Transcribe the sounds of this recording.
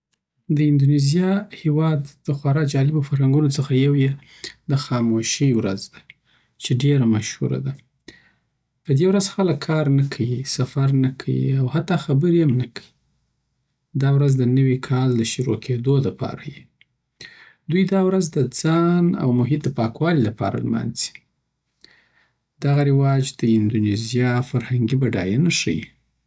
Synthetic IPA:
d̪əɪnd̪unizijɑhewɑd̪ːəxwaɾɑd͡ʒɑlɪbofaɾhaŋɡunot͡səxajawje | d̪əxɑmoʃiwɾazd̪a | t͡ʃeɖeɾamaʃhṵɾa̰d̪a | pəd̪ewɾazxaləkʰːɑɾnakʰawisafaɾnakʰawḭawhat̪ːɑxabəɾiamnakʰawi | d̪ɑwɾazd̪ənəwikʰɑld̪əʃuɾokʰed̪oləpɑ̰ɾaji | d̪ujd̪ɑwɾazd̪əd͡zɑna̰wmʊɦɪt̪̚d̪əpɑkwɑlilapɑ̰ɾa̰lma̰nzi̥ | d̪̥aɣaɾɪwɑd͡ʒd̪̥əɪnd̪unezijɑfaɾhaŋɡibaɖɑjanaʂəjḭ

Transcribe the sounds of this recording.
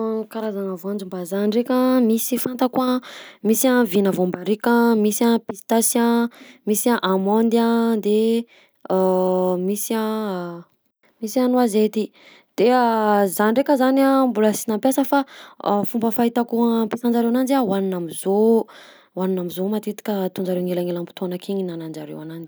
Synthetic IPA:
kaɾazaŋavoand͡ʒumbazanirekʲəmisifant̪akuamisavinəvombaɾikʲamisapist̪asãmisiaʔamond̪iad̪e | misiã | misanuazet̪i | d̪̥eazanirekəzanambuləsinampjasəfafumbəfaɦit̪akuapisand͡ʒaɾewanand͡ʒawaninamizo | waninamizomat̪et̪i̥kʲət̪und͡ʒaɾewŋelaŋelampi̥t̪onakʰiɲinanand͡ʒaɾḛwanand͡ʒi̥

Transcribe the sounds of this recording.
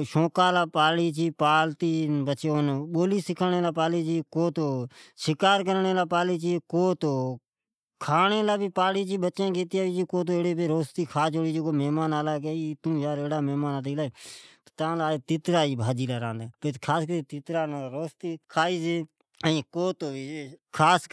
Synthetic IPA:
ʃõːkaːlaːpaːliːt͡ʃiːpaːlt̪iːbət͡ʃeːoːnɓoːliːsɪkʰaɳeːlaːpaːliːt͡ʃiːkoːt̪oːʃɪkaːɾkəɾɳeːlaːpaːliːt͡ʃiːkoːt̪oː | kʰaːɳeːlaːbiːpaːɽiːt͡ʃiːɓət͡ʃẽːkeːt̪ijaːʋiːd͡ʒiːkoːt̪̬oːeːɽeːpeːɾoːst̪iːkʰaːt͡ʃoːɽiːd͡ʒeːkoːmeːmaːnaːlaːkeiːt̪ũːd͡ʒaːɾeːɽaːmɛːmaːnaːt̪iːlaːeːt̪ot̪ãːlaːeːt̪ɪt̪ɾaːiːbʱaːd͡ʒiːlaːɾãːnd̪eːpeːkʰaːskəɾiːt̪ɪt̪ɾaːnːɾoːst̪iːkʰaːiːd͡ʒeː | əĩːkoːt̪oːiːd͡ʒeːkʰaːs

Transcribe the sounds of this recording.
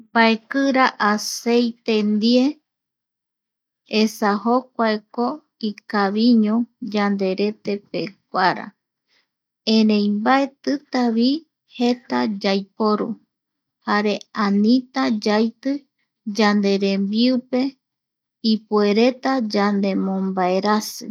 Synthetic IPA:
mbaekɨɾaʔasejt̪e̞nd̪ie̞ | esahok̚ʷaeko | ikaβiɲõd͡ʒand̪e̞ɾe̞t̪e̞pek̚ʷaɾa̰ | ẽɾẽjmbae̞t̪ɨt̪aβi | he̞t̪ad͡ʒajpo̞ɾṵ | haɾe̞anĩt̪ad͡ʒajt̪ɨ | d͡ʒand̪e̞ɾe̞mbiupe̞ | ipue̞ɾe̞t̪ad͡ʒand̪e̞mõmbae̞ɾasɨ̰

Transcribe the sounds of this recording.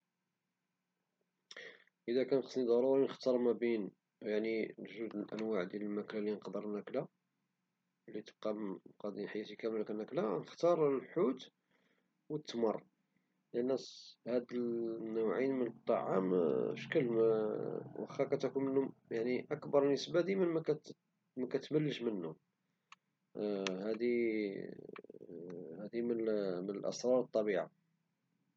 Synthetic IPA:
ʔəd̪ækænqəsˤnid̪ˤɑɾˤuɾinəxt̪ɑɾˤmæbin | jaʕnilʒud̪əlʔænwaʕd̪jæləlmæklalinqd̪əɾˤnækla | lːit̪əb̚qɑmqɑd̪inħjæt̪ikæməlknːæklanəxt̪ɑɾˤəlħut̪ | wət̪ːmɑrˤː | lʔənːæshæd̪ənːəwʕinmənət̪ˤːɑʕa̰mʃkəlm | wʔəxækæt̪ækunmənhʊmjaʕniʔəkbɑɾˤnəsbæd̪imənmækæ | mækæt̪məlːəʃmənhʊm | hæd̪i | hæd̪imənmənəlʔə̰sˤɾˤɑɾˤət̪ˤːɑbiʕa̰

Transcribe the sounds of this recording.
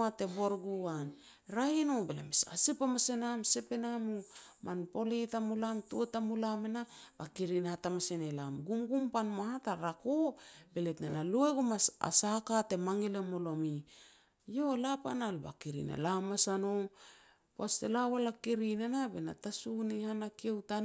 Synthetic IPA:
ateboɾɡuan | ɾahinobela̰misa̰sipamasenamsepenamumʔanpo̞litamulamtutamulamenab̥akiɾinhatamasenelamɡumɡumpanmahataɾakobeletnenalueɡumasa̰sakate̞maŋelemo̞lo̞mi | jo̞lapanalba̰kiɾḭnḛlamasano | pastelawalakiɾinenabena̰tasunihanakiewta

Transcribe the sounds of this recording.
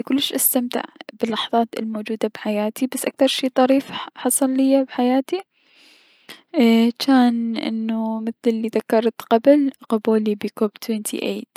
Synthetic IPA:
kʊlːɪʃʔast̪amt̪ɪ̰ʕbɪlːɑħðˤɑːt̪ɪ̰lmoːd͡ʒuːd̪abħajaːt̪ibasːʔak̚θɑɾˤʃiːt̪ˤɑɾiːfħɑsˤɑlːɪjːabħajaːt̪i | t͡ʃaːnʔɪ̰nːumɪθlɪlːiðakːɑɾˤt̪qɑblqʊbuːlibikoːbt̪weːnt̪ʰḭʔeːd̪

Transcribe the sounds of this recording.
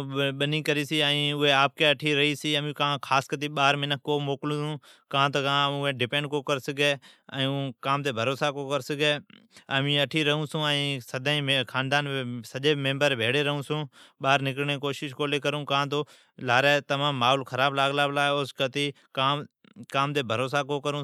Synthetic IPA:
ɓəniːkəɾiːsiːə̃ĩːʊɦeːaːp̚keːəʈʰiːɾəɦiːsiːəmĩːkãːkʰaːskət̪̬iːɓaːɾmɪnəkːoːmoːklũsũːkãːt̪əkãʊẽːɖɪpẽːɳɖ̚koːkəɾsɪɡeːɛ̰̃ːũːkaːmt̪eːbʱəɾoːsaːkoːkəɾsɪɡeːəmĩːəʈʰiːɾəɦũːsũːɛ̃ːsəd̪ʱaːĩːkʰaːnd̪aːnesəʄeːmɪ̃mbəɾbʱeːɽeːɾəɦũːsũːɓaːɾnɪkɾɳeːkoːʃɪʃkoːleːkəɾũːkãːt̪̬oː | laːɾeːt̪əmãːmːaːɦoːlkʰəɾaːblaːɡlaːblaːoːskət̪iː | kaː | kaːmt̪eːbʱəɾoːsaːkoːkəɾũː

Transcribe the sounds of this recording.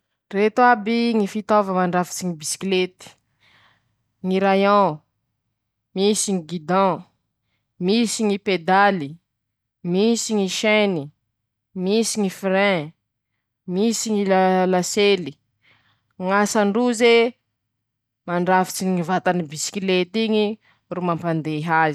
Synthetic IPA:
ret̪uabiŋifit̪ovəmaɳɖ͡ʐafi̥t͡siŋibisi̥kilet̪i̥ | ŋiɾajɔ̃ | misiŋiɡid̪ɔ̃ | misiŋiped̪ali | misiŋiʃɛni | misiŋifɾɛ̃ | misiŋilalaseli | ŋasaɳɖ͡ʐuze | maɳɖ͡ʐafi̥t͡siɲŋivat̪anibisi̥kilet̪iɲi | rumampand̪eɦazi

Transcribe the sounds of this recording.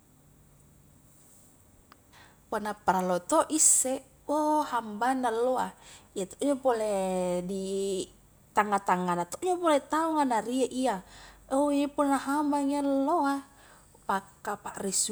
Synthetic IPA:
panapaɾalot̪oʔisːe | ohambanːalːoaiat̪o̥ʔd͡ʒopoledi | t̪aŋat̪aŋːanat̪oʔd͡ʒopolet̪auŋanaɾiaʔiaoepolnaɦambaŋialːoa | pakːapaʔris

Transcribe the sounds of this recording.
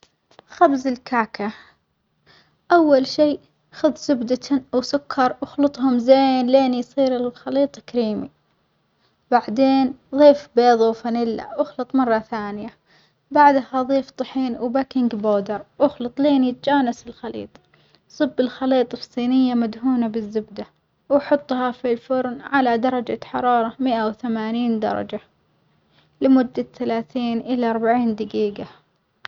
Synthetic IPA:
xabzɪlkaːkʰa | ʔawːalʃiː | xʊðˤzʊbd̪aawsʊkʰːɑɾˤwʔʊxlɨt̪ˤhʊmzeːnleːnjsˤiːɾɪlxɑliːt̪ˤkaɾiːmḭ | baʕd̪eːnðˤiːfbeːðˤuwfanɪlːa̰wʊxlɨt̪ˤmɑrˤːɑθaːnɪja | baʕd̪haðˤiːft̪ˤɑħiːnwbakɪŋɡboːd̪ɑɾˤwʊxlɨt̪ˤliːnjɪt̪ad͡ʒaːnasɪlxɑlḭːt̪ˤ | sˤɨbːɪlxɑliːt̪ˤfsˤiːnɪjːamad̪huːnabɪzːɪbd̪a | wħʊt̪ˤːhɑfilfʊɾnʕalad̪ɑɾˤɑd͡ʒa̰ħɑɾˤɑːɾˤɑmɪʔawθamaːniːnd̪ɑ̰ɾˤɑ̰d͡ʒa | lɪmʊd̪ːaθalaːθiːnʔɪlaʔɑɾˤbaʕiːnd̪aɡiːɡa

